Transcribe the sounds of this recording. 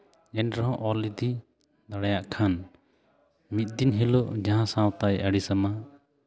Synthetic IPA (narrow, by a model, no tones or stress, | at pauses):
d͡ʒɛnɾɔɦɔ̃ʔɔlid̪i | d̪aɽajaʔkʰan | mit̪̚d̪inɦiloʔd͡ʒaɦãsãwt̪ajəɽisama